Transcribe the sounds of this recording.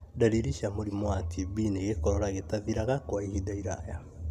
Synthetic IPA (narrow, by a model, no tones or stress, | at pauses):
daɾiɾiʃamoɾimwatʰibineɣekɔɾɔɾaɣetaðiɾaɣakwaihidaiɾaja